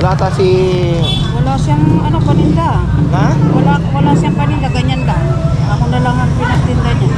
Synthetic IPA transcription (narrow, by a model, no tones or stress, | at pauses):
lat̪asi | kolasjaŋanapanind̪a | akolakolasjaŋpanind̪aɡaɲand̪a | amundalaŋanpinant̪ind̪aɲa